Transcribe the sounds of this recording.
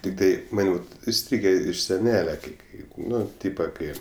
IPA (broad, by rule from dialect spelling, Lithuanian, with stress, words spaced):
ˈtʲɪktɐɪ ˈmɐn ɪˈsʲtʲrʲiːɡʲeː ɪʃ sʲɛˈnʲæːlʲɛ kɐɪ ˈkɐɪ ˈnʊ ˈtʲiːpɐ ˈkɐɪ